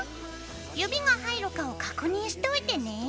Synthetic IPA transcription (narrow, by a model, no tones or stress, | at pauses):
jobʲiɡaɦaiɾɯ̟kao̞kakɯ̟ɲ̟ĩɰ̃ɕi̥t̪eoit̪e̞ne̞